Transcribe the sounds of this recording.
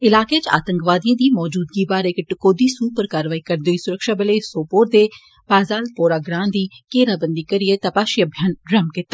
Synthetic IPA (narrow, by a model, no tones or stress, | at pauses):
ɪlaːkeːt͡ʃa̰ːt̪əŋkʋaːd̪ijãːd̪iːmɔːd͡ʒuːd̪ɡiːbaːɾekʈkoːd̪iːsuːpəɾkaːɾʋaːiːkəɾd̪oiːsʊɾəkʃaːbəleːsoːpoːɾd̪eː | baːzaːlpoːɾaːɡɾãːnd̪iːkeːɾaːbənd̪iːkəɾɪet̪əpaːʃiəbʱjaːnɾəmkɪt̪ːa